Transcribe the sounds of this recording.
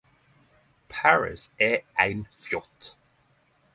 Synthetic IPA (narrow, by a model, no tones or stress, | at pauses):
pʰaɹɪ̰sɛajnfjɔt̪